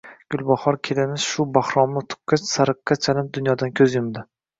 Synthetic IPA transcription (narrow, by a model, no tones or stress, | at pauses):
ɡ̥ʲʊlˠbahɒɾkʲʰelɪmɪz̥ʃʊbahɾɒmɪt̪ʰʊ̥qːɑt͡ʃsaɾɨqːɑt͡ʃʰalɪp̚d̪ʊnjɒd̪ankʲʰɵzjʊmd̪ɪ